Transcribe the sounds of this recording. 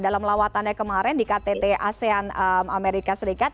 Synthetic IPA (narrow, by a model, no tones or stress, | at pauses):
dalamlawat̪anɲakəmaɾɛndikat̪et̪ɛʔaseanəmameɾikasəɾikat̪̚